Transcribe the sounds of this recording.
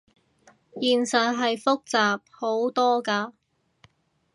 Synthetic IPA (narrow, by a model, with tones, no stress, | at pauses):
jiː˨nsœː˨t̚ɦɐ˨jfʊ˥k̚t͡saː˨p̚ho˨˥wt̪ɔː˥kaː˧